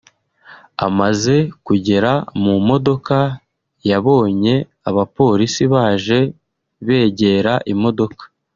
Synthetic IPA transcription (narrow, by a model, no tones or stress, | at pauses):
a̰maze̞kuɟe̞ɾamumo̞do̞ka | jaβo̞ːɲe̞ | aβapo̞ːɾisiβaːʒe̞ | βe̞ːɟe̞ɾaʔimo̞do̞kḁ